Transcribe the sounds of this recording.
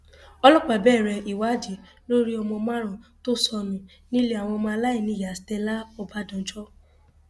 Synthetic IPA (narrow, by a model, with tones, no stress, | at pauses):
ɔ˧lɔ˦˨k͡pa˨bɛː˦˨ɾɛ˧˨ʔi˨wa˨˦d͡ʒi˨˦ | lo˦ɾi˦ɔ˧mɔ̃˧mã˦ɾ̃ã˨to˦sɔ˧mĩ˧ | nĩ˦le˦a˨w̃ɔ̃˧mã˧la˦i˦˨nĩ˨˦˨ja˨si̥˨tɛ˧la˦ɔ˧ba˦dɔ̃˨˦d͡ʒɔ˦